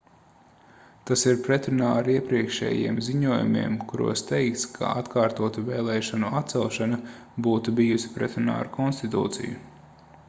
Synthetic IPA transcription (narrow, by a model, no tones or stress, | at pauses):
t̪asiɾpɾɛt̪ɾunaːɾiɛpɾiɛkʃɛ̰ːjḭɛmziɲuɔjṵmḭɛmkuɾṵɔst̪ɛjk̚t̪skʰa̰at̪kʰaːɾt̪uɔt̪uvɛːlˠɛːʃanuat̪̚sɛlˠʃana | buːt̪ubijusi̥pɾɛt̪ɾuna̰ːɾukʰɔnst̪it̪ṵːt̪sḭjṵ